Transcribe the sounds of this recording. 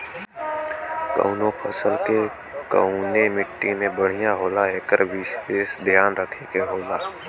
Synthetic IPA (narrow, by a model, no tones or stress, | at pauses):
kə̰ʊnoːpʰəsəlke | kə̰nemɪʈːimẽbəɽ̤ijãɦoːlaeːkəɾbʱiːʃsd̪ʱɪjaːnɾəkʰekeɦoːlaː